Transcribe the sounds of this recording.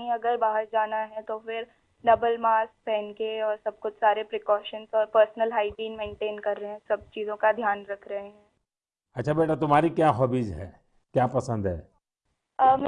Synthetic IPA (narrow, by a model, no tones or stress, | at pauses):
ɦĩɐɡəɾbaːɦəɾd͡ʒaːnaɦɛ̃t̪ofɪɾ | ɖɐbəlmaːsk̚pɛːnkeɔːɾsɐb̚kʊt͡ʃʰsaːɾepɾɪkɔːʃənsɔːɾpəɾsnəlɦaːɪʈiːnmẽːɳʈeːnkɐɾːɐɦeɦɛ̃sɐb̚t͡ʃiːzõkad̪ʱjaːnɾɐkʰɾɐɦeɦɛ̃ː | ɐtːʃʰabeːʈʰat̪ʊmɦaːɾikjaːɦɔːbiːd͡ʒɦɛ̰ː | kjaːpɐsə̃nd̪ɦɛ̰ː | əm